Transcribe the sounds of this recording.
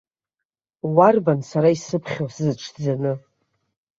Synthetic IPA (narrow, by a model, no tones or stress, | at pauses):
warbansaɾaisɨpʰχʲowsɨzɨʈ͡ʂʰd͡zanɨ